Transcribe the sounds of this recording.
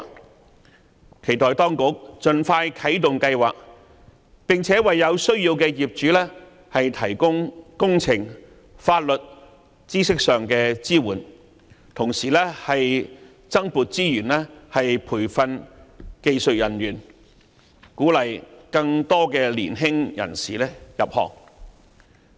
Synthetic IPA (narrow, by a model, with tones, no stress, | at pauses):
kʰe˨˩jt̪ɔː˨jt̪ɔː˥ŋkʊ˨˥k̚t͡ʃɵ˨nfaː˧jkʰɐ˨˥jt̪ʊ˨ŋkɐ˧jwaː˨k̚ | pɪ˨ŋt͡sʰɛː˨˥wɐ˨jːɐ˨˧wsɵ˥ɥjiː˧wkɛː˧jiː˨p̚t͡ʃyː˨˥lɛː˥ | hɐ˨jt̪ʰɐ˨˩jkʊ˥ŋkʊ˥ŋt͡sʰɪ˨˩ŋ | faː˧t̚lɵ˨t̚ | t͡siː˥sɪ˥k̚sœː˨ŋkɛː˧t͡siː˥wuː˨˩n | t̪ʰʊ˨˩ŋsiː˨˩lɛː˥hɐ˨j | t͡sɐ˥ŋpuː˨t̚t͡siː˥jyː˨˩nlɛː˥hɐ˨jpʰuː˨˩jfɐ˧nke˧jsɵ˨t̚jɐ˨˩nɥyː˨˩n | kuː˨˥lɐ˨jkɐ˧ŋt̪ɔː˥kɛː˧lḭː˨˩nɦɪ˥ŋjɐ̰˨˩nsiː˨˩lɛː˥jɐ˨p̚hɔ̰ː˨k̚